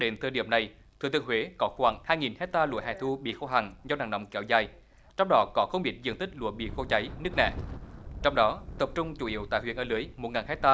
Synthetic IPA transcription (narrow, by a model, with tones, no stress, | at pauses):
ɗe˨˦nt̪ʰəː˧˩ɗḭ˧˨əmna˨˩j | t̪ʰɨ̰˨˧˨t̪ɨ˧˨əhɦwe˨˦kɔ˨˦xwaː˧˩ŋhaː˧jŋi˨˩nhɛ˦˥t̚t̪aː˧lṵ˧˨əɦa˨˩t̪ʰu˧ɓḭ˧˨xo˧ɦa˨˩ŋzɔ˧naː˨˩ŋnə̰˨˧˩wŋ͡mkɛ˨˧˦wzaː˨˩j | t͡ɕɔ˧wŋ͡mɗɔ˨˦kɔ˨˦xə˧wŋ͡mɓḭ˧˩t̚zɨ̰˧˨ŋt̪ï˦˥k̟̚lṵ˧˨əɓḭ˧˨xo˧t͡ɕa˨˦jnɨ˦˥ək̚nɛ̰ː˧˨t͡ɕɔ˧wŋ͡mɗɔ˨˦t̪ə˨˩p̚t͡ɕʊ˧ŋ͡mt͡ɕu˧˩ʔḭ˧˦əwt̪a̰ː˧˨jhw̰ənʔəː˧˩lɨ˨˦əjmo˨˩t̚ŋaː˨˩nhɛ˦˥t̚t̪aː˧